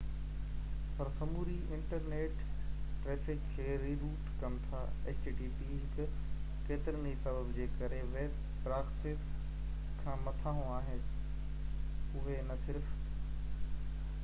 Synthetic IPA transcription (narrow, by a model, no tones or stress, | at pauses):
pɐɾsɐmuːɾiɪ̃ɳʈəɾneːʈː | ɾeːfɪkkʰːeːɾiːɾuːʈkɐmt̪ʰa̰ːeːsʈiʈiːpiɦɪkʊ | keːt̪ɪɾənisɐbəbd͡ʑeːkɐɾeʋeːb | bɾaːksɪs | kʰãːmɐt̪ʰaːɦũaːɦɪn | ʊɦenɐsɪɾf